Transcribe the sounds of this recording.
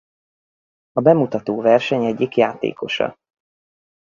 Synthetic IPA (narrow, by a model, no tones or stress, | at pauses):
ɒbɛmut̪ɒt̪oːvɛrʃɛɲɛɟːikjaːt̪ḛːko̞ʃɒ̰